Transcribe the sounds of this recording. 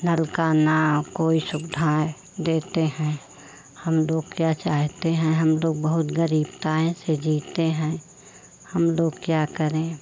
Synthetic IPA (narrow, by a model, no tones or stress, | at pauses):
nəlkanakoːisʊɡd̪ʱaːj | d̪eːt̪eɦɛ̃ | həmloːɡ̚kjat͡ʃaːɦt̪eɦɛ̃ɦəmloːɡbəɦʊt̪ɡəɾiːbt̪aːẽsed͡ʒiːt̪eɦɛ̃ | həmloːɡkjaːkəɾẽ